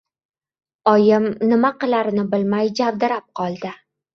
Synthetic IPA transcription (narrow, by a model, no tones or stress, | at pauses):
ɒjɪmnɪmaqɨlaɾɪnɪbɪlmajd͡ʒavd̪ɪɾap̚qʰɒlˠd̪ɪ